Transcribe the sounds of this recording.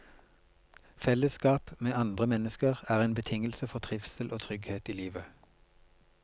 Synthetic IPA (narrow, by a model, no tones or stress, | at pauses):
fɛləskɑːpmeːɑnd̪ʁəmɛnəskəʁæːʁeːnbət̪ʰɪŋəlsəfɔʁt̪ʰʁɪfsəlʔoːt̪ʰʁʏɡheːt̪iːliːʋə